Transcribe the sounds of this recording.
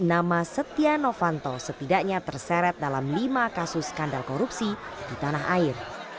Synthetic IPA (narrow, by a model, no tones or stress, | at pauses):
namasət̪ianofant̪ɔsət̪idakɲat̪ərsɛɾɛt̪̚dalamlimakasʊskandalkoɾupsid̥it̪anaɦaɪr